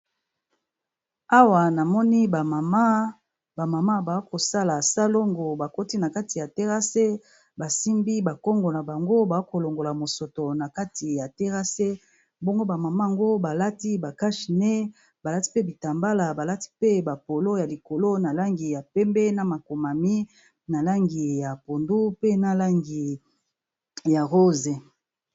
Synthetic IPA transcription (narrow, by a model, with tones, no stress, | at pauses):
a˦wa˨na˨mɔ˦ni˦ba˨ma˨ma˦ | ba˨ma˨ma˦ba˨˦ko˨sa˦la˨sa˦lo˦ŋɡo˨ba˨ko˦ti˦na˨ka˦ti˨ja˨te˦ʁa˦se˦ | ba˨si˦mbi˦ba˨kɔ˦ŋɡo˨na˨ba˨ŋɡo˦ba˨a˦ko˨lo˨ŋɡo˨la˨mo˨so˨to˨na˨ka˦ti˨ja˨te˦ʁa˦se˦ | bo˦ŋɡo˦ba˨ma˨ma˦˨ŋɡo˦ba˨la˦ti˦ba˨ka˦ʃi˨ne˦ | ba˨la˦ti̥˦pe˦bi˨ta˨mba˦la˨ba˨la˦ti̥˦pe˦ba˨po˨lo˦ja˨li˨ko˨lo˦na˨la˦ŋɡi˨ja˨pɛ˦mbɛ˦na˨ma˨ko˨ma˨mi˦ | na˨la˦ŋɡi˨ja˨po˨ndu˦pe˦na˦la˦ŋɡi˨ | ja˨ʁo˦ze˨